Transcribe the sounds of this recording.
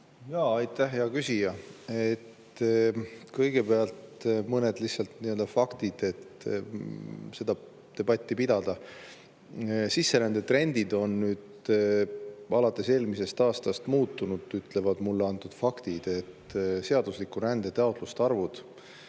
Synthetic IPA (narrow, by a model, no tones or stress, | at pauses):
jɑːɑjt̪ːˑæɦjɑkysʲijɑet̪ | kɤjɡ̥e̞peɑlt̪mɤned̪̥lihsːɑlt̪niø̞ld̪̥ɑfɑkt̪id̪̥e̞t̪ | se̞d̪̥ɑ | t̪e̞b̥ɑt̪ʲːipid̪̥ɑd̪̥ɑ | sisːe̞ɾænd̪̥e̞t̪re̞nʲd̪̥id̪o̞nːyːd̪̥ | ɑlɑt̪ːˑe̞se̞ːlmise̞st̪ɑːst̪ɑst̪muːt̪ːˑunud̪̥yt̪ˑle̞vɑd̪̥mulːeɑnt̪ːud̪̥fɑkt̪id̪̥e̞t̪ːse̞ɑd̪̥uslikuɾænd̪̥e̞t̪ɑot̪ˑlust̪ɑrvud̪̥